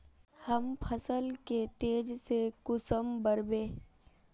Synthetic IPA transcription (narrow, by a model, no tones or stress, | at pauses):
həmpʰəsəlket̪eːd͡ʒsekʊsəmbəɾbẽː